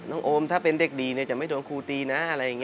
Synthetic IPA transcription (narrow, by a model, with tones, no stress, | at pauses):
nɔː˥˩ŋʔoː˧mt̪ʰaː˥˩pe˧ndeː˨˩k̚diː˧ni˥˩ɐt͡ɕa˨˩ma˥˩jdoː˧nkʰuː˧t̪iː˧na˦˥ʔa˧ɾa˧jːa˨˩ŋːi˦˥